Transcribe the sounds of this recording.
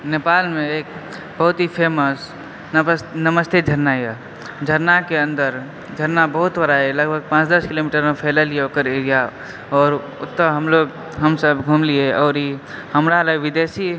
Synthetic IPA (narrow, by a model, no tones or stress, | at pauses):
nepaːlmẽeːk | bəɦʊt̪ɦipʰeməs | nəməst̪ʰed͡ʒʱəɾnaja | d͡ʒʱəɾnakeə̃nd̪əɾ | d͡ʒʱəɾnabəɦʊt̪ʋəɾaɛləɡbʱəɡ̚pãːt͡ʃd̪əskiloːmiʈəɾmẽpʰɛːləlieoːkəɾeɾija | ɔːɾ | ʊt̪ːəɦəmloɡ | ɦəmsəbɡʱumlieɔːɾi | həmɾalaʋid̪esi